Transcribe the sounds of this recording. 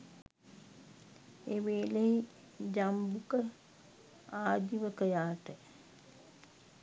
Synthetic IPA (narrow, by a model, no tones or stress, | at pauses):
eʋeːleɦi | d͡ʒambukə | aːd̪iʋəkəjaːʈə